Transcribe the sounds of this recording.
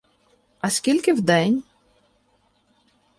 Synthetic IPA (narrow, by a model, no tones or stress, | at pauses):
ɐsʲkʲilʲkɪwd̪ɛnʲ